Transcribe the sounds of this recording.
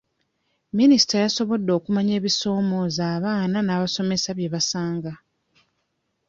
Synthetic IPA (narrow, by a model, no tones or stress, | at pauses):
minisi̥tajaso̞βo̞dːo̞ːkumaɲe̞ːβiso̞ːmo̞ːzaːβaːnanaːβaso̞me̞saβje̞βasaːŋɡa